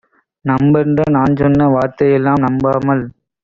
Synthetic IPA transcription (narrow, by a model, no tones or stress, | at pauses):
nɐmbɐndrɐnaːnsɔnːɐʋaːɾt̪ɐjɛlːaːmnɐmbaːmɐl